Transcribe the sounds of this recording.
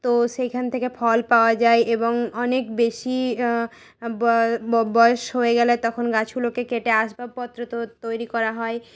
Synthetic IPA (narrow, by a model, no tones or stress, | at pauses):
t̪oʃejkʰant̪ʰekefʰɔlpaoad͡ʑaeʔeboŋɔnekbeʃi | bbɔeʃɦoeɡɛlet̪ɔkʰonɡat͡ɕʰɡulokekeʈeaʃbab̚pɔt̪ːɾot̪ot̪ojɾikɔɾaɦɔe